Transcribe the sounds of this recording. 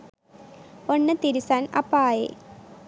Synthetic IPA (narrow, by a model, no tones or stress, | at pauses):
onːɨt̪iɾisaːnɐpːaːjḛː